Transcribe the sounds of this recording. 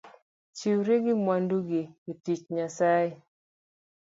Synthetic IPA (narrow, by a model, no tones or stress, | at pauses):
t͡ʃiwɾeɡɪmwanduɡiitit͡ʃɲasaje